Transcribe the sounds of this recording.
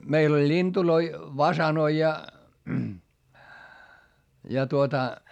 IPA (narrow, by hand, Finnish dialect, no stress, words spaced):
meil olʲ lʲintuloi ʋɑsɑnoi jɑ jɑ tuotɑ